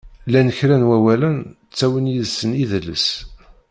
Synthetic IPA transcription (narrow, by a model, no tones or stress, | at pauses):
lænəçɾænwæwælən | t͡sːæwənjiðsəniðəlːə̰s